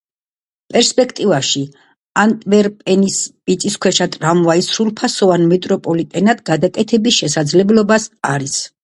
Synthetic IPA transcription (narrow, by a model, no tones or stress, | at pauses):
pʼɛɾspʼɛkʰt̪ʼivaʃi | ant̪ʼvɛɾpʼɛnispʼit̪sʼiskʰwɛʃat̪ʼɾamvaisɾulˠpʰasɔvanmɛt̪ʼɾɔpʼɔlit̪ʼɛnad̪ɡad̪akʼɛt̪ʰɛbisʃɛsad̪zlɛblɔbasaɾis